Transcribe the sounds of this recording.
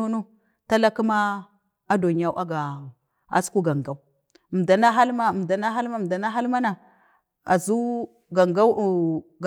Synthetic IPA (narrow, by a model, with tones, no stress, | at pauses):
o˦no˦ | ta˦la˦ku˦ma˦ | a˦do˨ɲ˨a˦wʔa˦ɡa˨ | a̰˦sku˦ɡa˨ŋɡa˦u˦˨ | m˨da˨na˦ɦa˦lma˦˨m˨da˨na˦ɦa˦lma˦˨da˨na˦ɦa˦lma˦na˨ | a̰˨zu˦ | ɡa˨ŋɡa˦wɡ